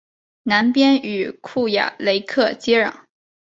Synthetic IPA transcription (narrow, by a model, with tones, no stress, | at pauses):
na˧˥npjɛ˥ny˨˩kʰu˥˩ja̰˨˩˦le˧˥ɪkʰɤ˥˧t͡ɕjɛ˥ɻɑ̰˨˩˦ŋ